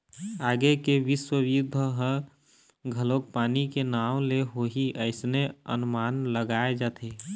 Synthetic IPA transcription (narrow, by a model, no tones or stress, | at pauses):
aːɡekeʋiswəwjud̪ʱəɦə | ɡʱəlok̚paːnikenawleɦoɦiʔəɪsneə̰nʊmanləɡaed͡ʒaːt̪ʰe